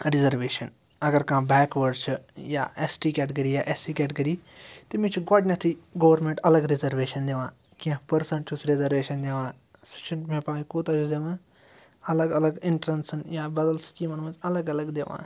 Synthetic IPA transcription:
ɾɪzəɾʋeːʃən | ɐɡəɾkãːbɛːkʋəɾɖt͡ʃʰjaːesʈikɛːʈɡɐɾiːjaːʔesikɛːʈɡɐɾiːt̪imĩt͡ʃʰɡaːɽinɐt̪ʰiɡoːʋəɾmẽɳʈɐləɡɾizəɾʋeːʃɐnd̪eʋãː | kĩãpɐɾsə̃ɳʈt͡ʃʰusɾezəɾʋeːʃɐnd̪eʋãː | sɐ̥t͡ʃʰɪɳʈmẽpaːikuːt̪ad͡ʒud̪eʋãː | ɐləɡɐləɡɪɳʈɾənsnjaːbɐd̪əlskiːmɐnmɐ̃zɐləɡɐləɡd̪eːʋã̰ː

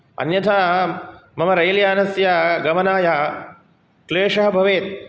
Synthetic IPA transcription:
ɐ̰njɐt̪ʰaː | mɐmɐɾɐjljaːnɐsjaːɡɐmɐnaːja | kleːʂɐɦɐbʱɐʋeːt̪̚

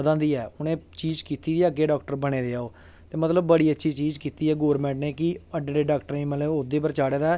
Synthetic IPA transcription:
d̪ãːnd̪iːɛːʊnẽːt͡ʃiːd͡ʒkiːt̪iːd̪iɛəɡeːɖaːk̚ʈəɾbəɽ̃eːd̪eːaːoː | t̪eːmət̪ləbːəɽiːətːʃʰiːt͡ʃiːd͡ʒkiːt̪iːɛːɡoːɾmɛ̃ːɳʈneːkɪəɖɽeːɖaːkʈəɾẽːmɛleʊd̪eːpəɾt͡ʃaːɽeːd̪aː

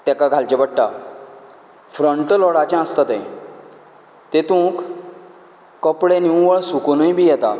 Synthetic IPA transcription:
t̪ɛkaɡʱalt͡ɕebəʈːa | fɾəɳʈlɔɽat͡ɕãə̃st̪at̪ẽ | t̪et̪ũːk | əpɽenĩʋəɭsuknũjbʱijɛt̪a

